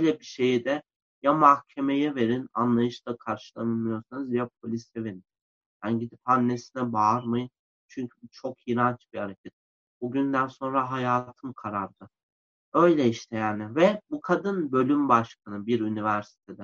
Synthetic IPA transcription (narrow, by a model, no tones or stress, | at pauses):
øjlʲɛbiʃe̞jid̪ɛ | jamahcʰe̞me̞jɛve̞ɾina̰nlˠajɯʃd̪akʰaɾʃɯlˠamɯmijoɾsanɯzd̪ijap̚ʰo̞lʲisɛveɾin | janɟid̪ipanːe̞sinɛbaɾmajɯn | t͡ʃʰyɲcʰybut͡ʃʰo̞kinant͡ʃb̥iaɾacʰɛt̪̚ | buɟynd̪ænso̞nɾaɦajaːt̪ʰɯmkʰaɾaɾd̪ɯ | ø̞jlʲɛiʃt̪ʰejaænɪvɛbukʰad̪ɯnbø̞lʲymbaʃkʰanɯbiɾynivæɾsi̥t̪ʰe̞d̪ɛ